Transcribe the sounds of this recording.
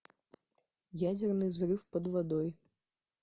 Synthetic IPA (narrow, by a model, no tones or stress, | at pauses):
jad͡zʲɛrnɨvzrɨfpɐd̪vad̪ɔj